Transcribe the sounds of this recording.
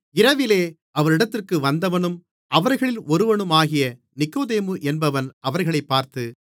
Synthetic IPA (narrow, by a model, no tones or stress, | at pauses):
ɪɾɐʋɪleː | ɐʋɐɾɪɽɐt̪ːɪrkɯʋɐnd̪ɐʋɐnɯm | ʔɐʋɐɾɣɐɭɪlɔɾɯʋɐnɯmaːɣɪjɐ | nɪkːoːðeːmɯʔɛnbɐʋɐnɐʋɐɾɣɐɭɐɪpːaːɾt̪ɯ